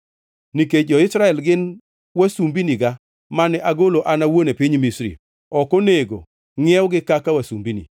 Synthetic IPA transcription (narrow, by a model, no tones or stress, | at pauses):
nikeɔɪsɾaɛlɡɪn | wasumbiniɡa | manɛʔaɡoloʔanawonepiɲmisɾḭ | ɔkɔneɡo̰ | ŋɛwɡɪkakawasumbinḭ